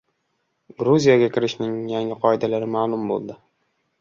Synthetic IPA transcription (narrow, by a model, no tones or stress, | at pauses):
ɡɾuzʲijaɡʲakʲʰɪɾɪʃnɪŋjaŋɪqʰɒɪd̪alaɾɪmaːlˠʊmbo̰lˠd̪ɪ